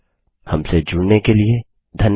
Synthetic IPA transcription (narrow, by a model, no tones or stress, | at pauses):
hɐmsed͡ʒʊɽnekelie | d̪ʱɐn